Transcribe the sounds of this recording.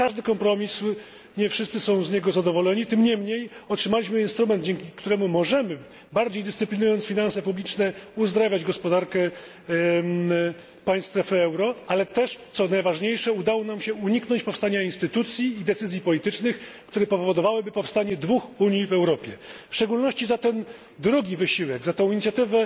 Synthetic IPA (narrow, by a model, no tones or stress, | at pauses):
kaʐd̪ɘkɔmpɾɔmʲis | ɲɛfʂɘst̪sɘsɔ̃w̃zɲɛɡɔzad̪ɔvɔlɛɲit̪ɘmɲɛmɲejɔtʂɘmalʲiɕmɘinst̪ɾumɛnd̪̚d͡ʑɛŋkʲikt̪uɾɛmumɔʐɛmɘ | baɾd͡ʑejd̪ɘst̪ɨɘplʲinujɔnt̪sfʲinansɛpublʲit͡ʂnɛuzd̪ɾavʲjad͡ʑɡɔspɔd̪aɾkɛ | paj̃st̪ɾɛfɘɛwɾɔalɛt̪ɛʂt̪sɔnajvaʐɲejʂɛud̪awɔnamɕɛuɲiknɔɲt͡ɕpɔfst̪aɲainst̪ɘt̪ut̪sʲjiːd̪ɛt̪sɘzʲjipɔlʲit̪ɘt͡ʂnɘxkt̪uɾɛpɔvvɔd̪ɔvawɘbɘpɔfst̪aɲɛd̪vuxuɲjivɛwɾɔpʲjɛfʂt͡ʂɛɡulnɔɕt͡ɕizat̪ɛn | d̪ɾuɡʲivɘɕiwɛɡzat̪ɔ̃w̃iɲit̪sʲjat̪ɘvɛ